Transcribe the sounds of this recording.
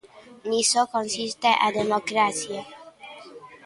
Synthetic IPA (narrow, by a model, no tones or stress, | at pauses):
nisokonsist̪eʔa̰d̪emokɾasje